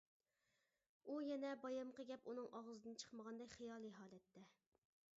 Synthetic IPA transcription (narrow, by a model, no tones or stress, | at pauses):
ujɛnɛbɑjɑmqʰəɡʲɛpunɨŋʔɑʁəzɨd̪ɨnt͡ʃʰə̥χməʁɑnd̪ɛkʲχɨjɑːlˠɨɦɑːlˠɛt̪ʰːɛ